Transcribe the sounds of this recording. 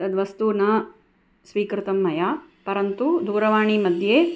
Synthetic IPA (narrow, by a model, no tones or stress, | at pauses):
ɐd̪ʋɐst̪unɐ | sʋiːkɾɪt̪ɐmːɐjaːpɐɾɐnt̪ud̪uːɾɐʋaːɳimɐd̪ʱjeː